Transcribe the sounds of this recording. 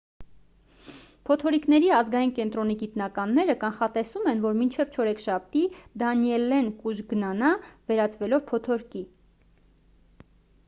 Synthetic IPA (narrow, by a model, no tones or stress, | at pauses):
pʰɔt̪ʰɔɾiknɛɾiɑzɡɑjinkɛnt̪ɾɔniɡit̪nɑkɑnːɛɾəkɑnχɑt̪ɛsumɛnvɔɾmint͡ʃʰɛvt͡ʃʰɔɾɛkʃɑp̚t̪id̪ɑnjɛlɛnkuʒɡənɑnɑvɛɾɑt͡svɛlɔvpʰɔt̪ʰɔɾki